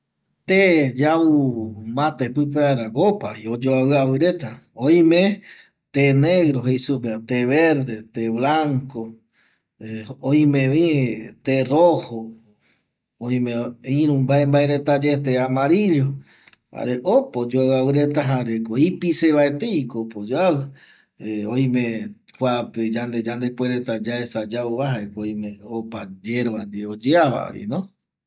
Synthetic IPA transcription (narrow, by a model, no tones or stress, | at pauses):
t̪ed͡ʒaumãt̪epɨp̬eaɾaɡopaiod͡ʒoaβɨaβɨɾe̞t̪aoĩmẽ | t̪eneɣɾoɦejsupet̪eβeɾd̪et̪eβlaŋko | oĩmẽʋĩt̪eroho | oj̃mẽĩɾ̃ũmbaembaeɾet̪ad͡ʒet̪eamaɾiʎo | a̰ɾeʔopod͡ʒoawawɨɾet̪aɦaɾekoipiseβaet̪eikopod͡ʒawɨ | eoj̃mẽ | kʷaped͡ʒand̪ed͡ʒand̪epweɾet̪ad͡ʒaesad͡ʒauβaɦaekoĩmẽopad͡ʒeɾβand̪iod͡ʒeaβa̰o̰ḭnõ